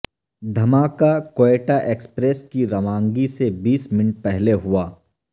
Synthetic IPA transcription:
d̪ʱɐmaːkakoeːʈaʔeːkspɾeːskiɾɐʋãːŋɡisebiːsmɪnʈ̚pɛɦleɦʊaː

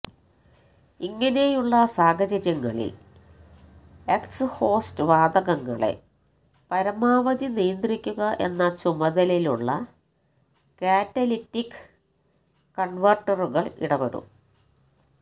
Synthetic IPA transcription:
iŋːɐne̞juɭːɐsaːɣɐt͡ɕɐɾjɐŋːɐ̰ɭḭl | eksho̞ːstɨʋaːd̪ɐɣɐŋːɐ̰ɭḛ | pɐɾɐmaːʋɐd̪inijɐnd̪rikʲːuɣɐʔe̞nːɐt͡ɕumɐðɐliluɭːɐ̰ | kaːtːɐlitːikː | kːɐɳʋɐrʈɐruɣɐɭḭɽɐpeɽṵm

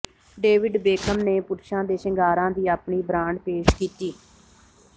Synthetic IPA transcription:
ɖeːʋɪɖbeːkʰəmneːpʊɾʃãːd̪eːʃəŋɡaːɾãːd̪iːaːpɳiːbɾãːɳɖpeːʃkiːt̪iː

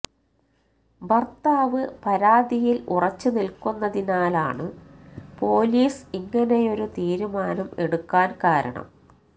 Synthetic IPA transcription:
bɐrt̪aːʋɨpɐɾaːd̪ijilurɐt͡ɕːunilkunːɐðinaːlaːɳɨpo̞ːliːsiŋːɐne̞jo̞ɾut̪iːɾumaːnɐme̞̰ɽukːaːnkaːɾɐ̰ɳɐ̰m

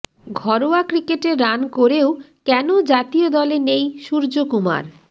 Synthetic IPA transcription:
ɡʱɔɾoakɾikeʈeɾːankoɾeo | kɛnod͡ʑat̪iod̪ɔlenejʃuɾd͡ʑokuma̰ɾ

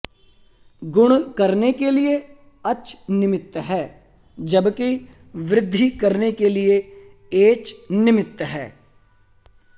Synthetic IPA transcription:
ɡʊɽ̃kɐɾnekelie | ɐt͡ʃʰnɪmɪt̪ːɦɛː | d͡ʒɐbki | ʋɾɪd̪ʱːikɐɾnekelie | eːt͡ʃnɪmɪt̪ːɦɛː

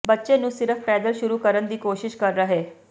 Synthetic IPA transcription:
bətːʃẽːnũːsɪɾəpʰʈɛːd̪əlʃʊɾuːkəɾənd̪iːkoːʃɪʃkəɾːəɦeː

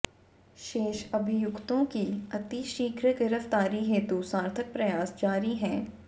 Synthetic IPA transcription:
ʃeːʃɐbʱɪjʊkt̪õkiɐt̪iʃiːkʰɾəɡɪɾəft̪aːɾiɦeːt̪usaːɾt̪ʰək̚pɾɐjaːsd͡ʒaːɾiɦɛ̃ː

